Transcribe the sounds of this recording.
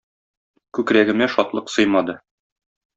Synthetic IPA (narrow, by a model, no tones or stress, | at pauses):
kʉkɾæɡɘ̆mæʃɒt̪lˠɤqsɤjmɑd̪ɤ